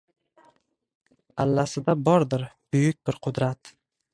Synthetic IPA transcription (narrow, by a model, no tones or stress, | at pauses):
alːasɪd̪abɒɾd̪ɪɾb̥ʊjʊk̚ʲbɪɾqʰʊd̪ɾat̪